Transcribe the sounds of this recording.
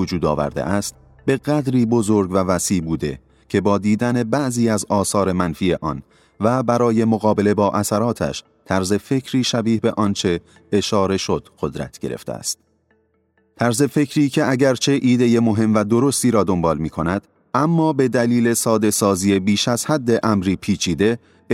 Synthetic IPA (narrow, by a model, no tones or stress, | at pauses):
od͡ʒuːd̪ɒ̰ːvæ̰ɾd̪ḛʔæst̪ | be̞ɣæd̪ɾiːbo̞zoɾɡvævæsiːʔbuːd̪e̞̰ | cʰe̞bɒːd̪iːd̪æne̞bæʔziːæzɒːsɒːɾe̞mænfiːeʔɒ̰ːn | væbæɾɒːje̞moɣɒːbe̞le̞bɒːʔæsæɾɒːt̪ʰæ̰ʃ | t̪ʰæɾze̞fe̞kʰɾiːʃæbiːhbe̞ʔɒːnt͡ʃʰe̞ː | ʃɒːɾe̞ʃo̞d̪̥ɢ̥o̞d̪ɾæ̰t̪ʰɟ̥eɾḛft̪ḛæ̰st̪̚ | t̪ʰæɾze̞fe̞cʰɾiːkcʰe̞æɟæɾt͡ʃʰe̞ʔiːd̪e̞je̞mo̞ɦe̞mvæd̪o̞ɾo̞st̪iːɾɒːd̪o̞mbɒːlmiːkʰonæd̪̥ | ʔæmːɒːbe̞d̪æliːle̞sɒːd̪e̞sɒːziːe̞biːʃæz̥hæd̪ːe̞ʔæmɾiːpʰiːt͡ʃʰiːd̪e̞